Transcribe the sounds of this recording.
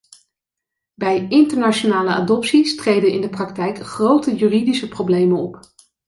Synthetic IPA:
bɛjɪntəɹnat͡ʃonaːləa̰ːdɔpsistrejdənɪndəprɑk̚tɛjkχrowtəjyːridisəprowblejmənɔp

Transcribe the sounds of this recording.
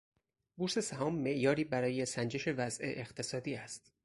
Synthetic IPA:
buːɾse̞sæɦɒːmːe̞ʔjɒːɾiːbæɾɒːje̞sænd͡ʒe̞ʃe̞væzʔe̞̰ʔext̪ʰe̞sɒːd̪iːæst̪

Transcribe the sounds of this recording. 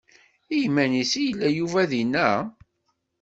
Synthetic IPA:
ijmænisijəlːæjuvæðinːæ

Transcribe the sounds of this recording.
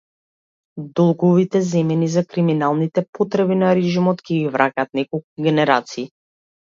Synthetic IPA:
d̪ɔlˠɡɔvit̪ɛzɛmɛnizakɾiminalˠnit̪ɛpɔt̪ɾɛbinaɾɛʒimɔt̪kʲɛɡivɾʔacʲaːt̪̚nɛkɔlˠk̚uɡʲɛnɛɾat̪siː

